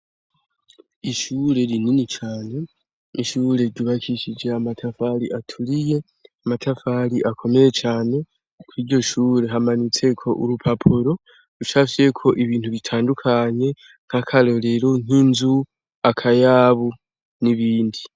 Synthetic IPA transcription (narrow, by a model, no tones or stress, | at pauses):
iʃuɾe̞ɾininit͡ʃaːne̞ | iʃuːɾe̞ɾɟuβakʰiʃid͡ʒe̞amatʰafaɾiʔatʰuɾije̞ | amatʰafaɾiʔakʰo̞me̞je̞t͡ʃaːne̞ | kʰwiːɾɟo̞ʃuːɾe̞ɦamanit͡se̞kʰo̞ʔṵɾupʰapʰoɾo̞ | ut͡ʃafije̞kʰo̞ʔiβiːntuβitʰaːndukʰaɲe̞ | ŋ̥hakʰalo̞ɾe̞ɾon̥inzu | akʰajaːβu | niβiːndi